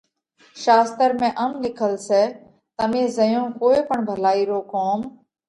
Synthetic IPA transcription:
ʃaːst̪əɾmẽːʔəmlɪkʰəlseː | t̪əmẽːzəjõːkoːeːpəɳbʱəlaːiːɾoːkoːm

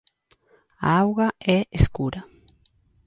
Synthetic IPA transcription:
a̰awɣaɛʔeskuɾa

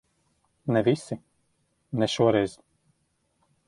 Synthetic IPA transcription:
nɛvʲisʲɪ | nʲɛʃuɔɾɛjz

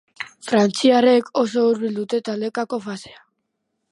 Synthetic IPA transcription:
fɾant͡siare̞ko̞s̬o̞uɾβild̪ut̪e̞t̪ale̞kako̞fasea

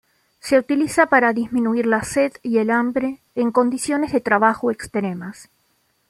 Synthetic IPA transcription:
se̞ut̪ilisapaɾaðizmĩnuiɾlaseðielambɾe̞ː | ŋko̞nd̪isjonezðe̞t̪ɾaβaxoekst̪ɾemas

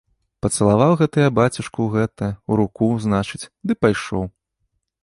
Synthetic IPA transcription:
pɐt̪sɐlˠavawɣɛt̪ɨjɐbat͡sʲiʂkuɣɛt̪ɐuɾukuznat͡ʂɨt͡sʲd̪ɨpajʂɔw

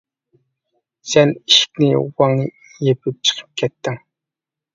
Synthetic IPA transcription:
sɛniʃɪ̥kʲnɪwɑŋnɨ | jepʰɪp̚t͡ʃʰə̥qʰə̥p̚kʲʰɛt̪ːɪŋ

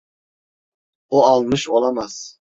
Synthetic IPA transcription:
uɑlˠmɨʃolˠɑmɑs

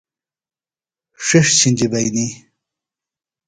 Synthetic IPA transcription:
ʂeʂt͡ɕʰinʲd͡ʑibɐjni

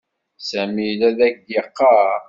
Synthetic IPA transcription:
sæmilæðækɡəqːɑ

